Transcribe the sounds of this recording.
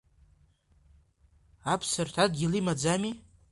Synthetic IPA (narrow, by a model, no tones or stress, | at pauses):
apʰsɨrtʷʰad̚ɡʲilimad͡zami